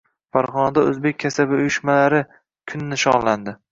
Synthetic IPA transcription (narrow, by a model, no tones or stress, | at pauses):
faɾʁɒnad̪aɵ̰zbek̚ʲʰːasabɪʊjʊʃmalaɾɪ | kʰʊnːɪʃɒnland̪ɪ